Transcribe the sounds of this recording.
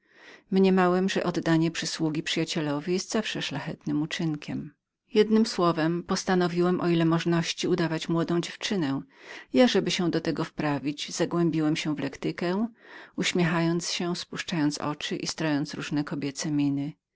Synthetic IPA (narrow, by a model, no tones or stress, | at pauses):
mɲɛmawɛmʐɛʔɔd̪ːaɲɛpʂɘswuɡʲipʂɨjat͡ɕɛlɔvʲijɛst̪zafʂɛʂlaxɛt̪nɘmut͡ʂɘŋkʲɛm | jɛd̪nɘmswɔvɛmpɔst̪anɔvʲiwɛmʔɔilɛmɔʐnɔɕt͡ɕiud̪avat͡ɕmwɔd̪ɔ̃w̃d͡ʑɛft͡ʂɘnɛjaʐɛbɘɕɛd̪ɔt̪ɛɡɔfpɾavʲid͡ʑz̥aɡwɛ̃mbʲiwɛmɕɛvlɛkt̪ɘkɛuɕmʲjexajɔnt̪sɕɛspuʂt͡ʂajɔnt̪sɔ̰t͡ʂɘʔist̪ɾajɔnt̪sɾuʐnɛkɔbʲjɛt̪sɛmʲinɘ